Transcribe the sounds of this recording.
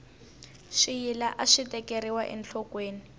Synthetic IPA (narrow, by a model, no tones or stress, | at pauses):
ʃijilaʔaʂitɛkeɾiwaʔɛ̰nt͡ɬʰɔkweːni